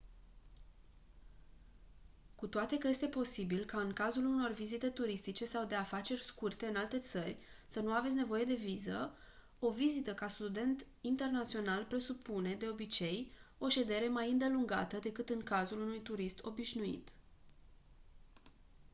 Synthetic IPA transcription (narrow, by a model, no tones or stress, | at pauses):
kut̪oat̪e̞kəje̞st̪e̞po̞sibilkaɨŋkazuluno̞rvizit̪e̞t̪uɾist̪it͡ʃe̞sawd̪e̞afat͡ʃe̞rʲskurt̪eɨnalt̪e̞t̪sərʲsənuavet̪sʲne̞vo̞je̞d̪e̞vizə | o̞vizit̪əkast̪ud̪e̞nt̪ | int̪e̞rnat̪sio̞nalpɾe̞supune̞d̪e̞o̞bit͡ʃe̞jo̞ʃe̞d̪e̞ɾe̞majɨnd̪e̞luŋɡa̰t̪əd̪e̞kɨt̪ɨŋkazulunujt̪uɾist̪o̞̰biʃnuḭt̪